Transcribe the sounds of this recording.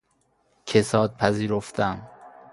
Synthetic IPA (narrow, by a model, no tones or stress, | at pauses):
cʰe̞sɒːd̪̚pʰæziːɾoft̪ʰæm